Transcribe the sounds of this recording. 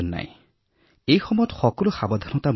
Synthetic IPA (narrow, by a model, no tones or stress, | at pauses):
nːa̰j̰̃ | ejxɔmɔjɔt̪xɔkɔluxabɔd̪ʱɔnɔt̪am